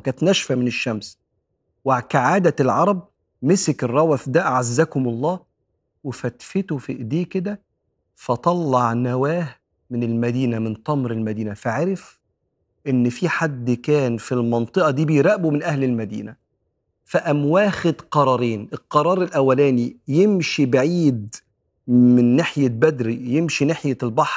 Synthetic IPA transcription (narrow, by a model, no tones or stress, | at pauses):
kæːnt̪næʃfæmɪnɪʃːæms | wɪʕkaʕaːd̪ælʕɑɾˤɑb̚ | mesekerˤːɑwæθd̪æʔʕazːækʊmɑlˤːɑː | wefæt̪fet̪ofiʔd̪eːked̪æ | fæt̪ˤɑlːɑʕnæwæːh | mɪnɪlmæd̪iːnæmɪnt̪ˤɑmɾɪlmæd̪iːnæfaʕaɾɪf | ʔɪnːfiħad̪ːkæːnfilmɑnt̪ˤɨʔɑd̪iːbejɾæʔbumɪnʔæhlɪlmæd̪ḭːnæ | fæʔæmwæːxed̪qɑɾˤɑːɾiːnelqɑɾˤɑːɾˤelʔæwːælæːnijemʃibaʕiːd̪ | mɪnːaħjæbæd̪ɾijemʃinaħjælbɑħɾˤ